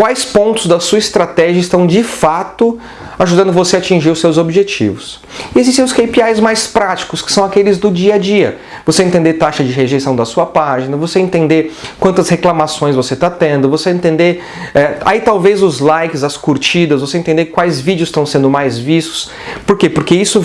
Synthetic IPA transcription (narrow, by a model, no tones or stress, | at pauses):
kwajspõnt̪ʊzd̪ɐsuɐist̪ɾat̪ɛʒiɐɪst̪ɐ̃w̃d͡ʒɪfat̪ʊ | aʒud̪ɐ̃nd̪ʊvoseaat͡ʃĩʒiɾʊsewzobiʒet͡ʃḭvʊs | ɪezist̪ẽʊskejpiajzmajspɾat͡ʃi̥kʊskɪ̥sɐ̃w̃akelɪzd̪ʊd͡ʒiɐd͡ʒiɐ̰ | vosẽnt̪ẽnd̪eɾt̪aʃɐd͡ʒɪɦeʒejsɐ̃w̃d̪ɐsuɐpaʒĩnɐvoseẽnt̪ẽnd̪eɾkwɐ̃nt̪ɐsheklamasõj̃svoset̪at̪ẽnd̪ʊvoseẽnt̪ẽnd̪eɾ | ɛa̰it̪awvezʊzlajkɪzɐskuɾt͡ʃid̪ɐzvosẽnt̪ẽnd̪eɾkwajzvid͡ʒiʊst̪ɐ̃w̃sẽnd̪ʊmajzvist̪ʊ̥s | poɾkepoɾkeisʊ